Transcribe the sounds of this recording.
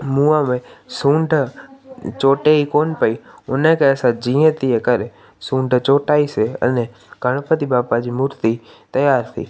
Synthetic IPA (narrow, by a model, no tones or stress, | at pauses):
mũamẽsũːɳɖʱ | t͡ʃoːʈeikoːnpəiʊnẽkeəsãd͡ʒĩːẽt̪iekəɾe | sũːɳɖʱt͡ʃoːʈaːiseə̰ne | ɡ̥ʱəɽ̃pət̪ibaːpad͡ʒiːmʊɾt̪i | t̪əjaːɾt̪ʰḭː